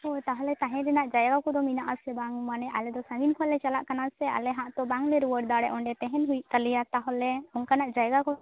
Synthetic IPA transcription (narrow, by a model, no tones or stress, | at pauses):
ot̪aɦɔlɛt̪ãɦɛ̃ɾɛnaʔd͡ʒajɡakɔd̪ɔminaʔasɛbaŋmanɛʔa̰lɛd̪ɔsə̃ŋɡinkʰɔlɛt͡ʃalaʔkanasɛa̰lɛɦãʔt̪ɔbaŋlɛɾuwəɽ̚d̪aɽɛʔɔɳɖɛt̪ɛɦɛnɦujt̪alijat̪aɦɔlɛɔnkanaʔd͡ʒajɡakɔ